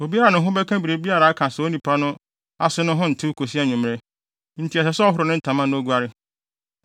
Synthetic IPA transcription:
o˨bi˦a˦ɾa˨nʊ̃˨ɦʊ̃˦bɛ˦kʰã˦bi˨ɾe˨bi˦a˦ɾa˨a˦kʰã˨sɛ˨o˦nĩ˨pʰa˦nʊ̃˦ | a̰˦sʊ˦nʊ̃˦ɦʊ̃˦n̩˨tʰɪ˦kʰo˨s̬i˦a˦˨ɲʊ̃˨m˨ɛ˦ | n̩˦tʰi˨a˨sɛ˨sɔ˦ɦʊ˨ɾʊ˨nʊ̃˦n̩˦tʰã˨mã˦nʊ̃˦o˦ɡʷu˦a˦ɾɪ˦

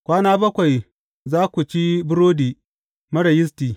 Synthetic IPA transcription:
kʷaː˦naː˦bɐ˦kʷa˨j | zaː˦kʷu˨t͡ʃi˦bʊ˦ɾoː˦diː˨ | mɐ˦ɽɐ˨jɪ˦s̬tiː˨

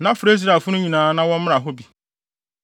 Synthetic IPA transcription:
nã˦fʊ˨ɾe˦z̬ɾa˨fʊ˦nʊ̃˦ɲĩ˨nãː˨˦nã˦wɔ̃˦m˦m̃˦ɾa˨ɦo˦bi˨

